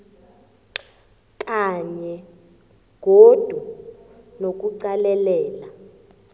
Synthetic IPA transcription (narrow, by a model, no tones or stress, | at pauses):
kʼaɲɛ | ɡ̥ʱod̥ʱu | nok̬ʼuǀalɛlɛːla